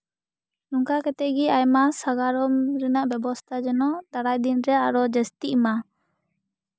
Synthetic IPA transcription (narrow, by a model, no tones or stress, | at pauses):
luŋkakɛt̪ɛʔɡiajmasaɡaɾɔmɾɛnaʔbɛbɔst̪ʰad͡ʒɛnɔd̪aɽajd̪inɾɛaɾɔd͡ʒɛst̪iʔma